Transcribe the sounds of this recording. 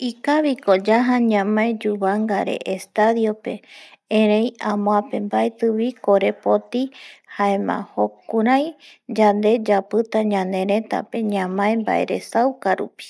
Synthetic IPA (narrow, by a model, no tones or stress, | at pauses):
ikaβikod͡ʒaɦaɲãmãed͡ʒuβaŋɡaɾe̞̰ʔest̪aðio̞pe̞ẽɾejãmõãpe̞mbaet̪ɨβiko̞ɾe̞po̞t̪ihaemã̰hokuɾajd͡ʒand̪e̞d͡ʒapɨt̪aɲãnd̪ẽ̞ɾẽ̞t̪a̰pe̞ɲãmãẽmba̰ʔe̞̰ɾe̞sawkaɾupi̥